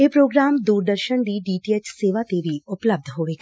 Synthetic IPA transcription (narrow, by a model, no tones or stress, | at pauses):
eːpɾoːɡɾaːmd̪uːɾd̪əɾʃənd̪iɖiːʈiːet͡ʃseːʋat̪eʋʱiʊpləb̚d̪ʱɦoːʋeːɡaː